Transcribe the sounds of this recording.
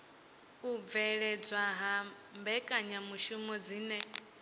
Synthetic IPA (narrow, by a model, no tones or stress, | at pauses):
ub̪vɛɺɛd͡zwaɦa | mbɛkʼaɲamuʃumɔd͡ziːnɛ